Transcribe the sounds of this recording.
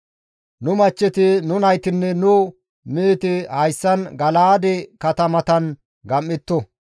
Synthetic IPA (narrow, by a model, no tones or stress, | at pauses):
nʊmɐt͡ʃːɛt̪ɪnʊnɐjt̪ɪnːɛnʊ | meːt̪ɪhɐjsːɐnɡɐlaːd̪ɛkɐt̪ɐmɐt̪ɐn | ɡɐmːɪt̪ːɔ